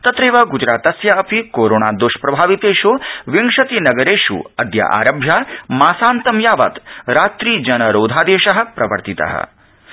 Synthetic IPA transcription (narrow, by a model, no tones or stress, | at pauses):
t̪ɐt̪ɾeːʋɐɡud͡ʒɾaːt̪ɐsjɐɐpikoːɾoːɳaːd̪oʃpɾɐbʱaːʋit̪eːʃoʋiŋʂɐt̪inɐɡɐɾeːʃṵɐd̪ja̰ʔa̰ːɾɐbʱjamaːsaːnt̪ɐmjaːʋɐ̰t̪ɾaːt̪ɾiːd͡ʒɐnɐɾoːd̪ʱaːd̪eːʃɐɦɐ̆pɾɐʋɐ̰ɾt̪it̪ɐ̰ɦɐ̰